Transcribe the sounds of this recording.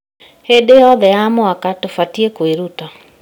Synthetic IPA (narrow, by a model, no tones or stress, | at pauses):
hedejɔðɛjamɔakatofatiekweɾuta